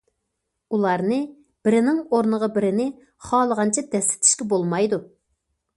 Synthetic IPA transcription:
ulˠɑɾnɨ | b̥ɪɾɪnɪŋoɾnəʁɑbɪɾɪnɪ | χɑːlˠəʁɑnt͡ʃʰɛd̪ɛslɪ̥t̪ʰɪ̥ʃkʲɛbolˠmɑjd̪u

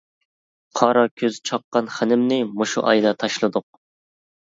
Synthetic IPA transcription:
qʰɑɾɑkʲʰøzt͡ʃʰɑqːɑnχænɪmnɪmoʃṵʔɑ̰jd̪ɑt̪ʰɑʃlˠɨd̪ʊq̚

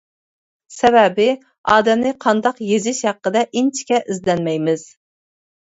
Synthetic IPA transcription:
sɛbɛbɪ | ɑːd̪ɛmnɪqʰɑnd̪ɑqjezɪʃhæqːəd̪ɛʔint͡ʃʰi̥kʲɛʔizlɛnmɛjmɪz̥

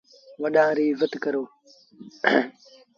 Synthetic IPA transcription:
waɗaɾivatikəɾo

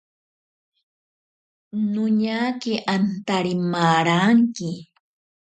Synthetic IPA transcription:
nʊɲakɪʔant̪aɾɪmaːɾaŋkɪ

